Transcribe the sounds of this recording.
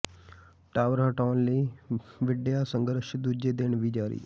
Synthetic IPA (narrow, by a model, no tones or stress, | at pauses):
ʈaːʋɾaːʈaːnliːʋɪɖjaːsə̃ŋɡəɾʃd̪uːd͡ʒeːd̪ɪɳʋiːd͡ʒaːɾḭː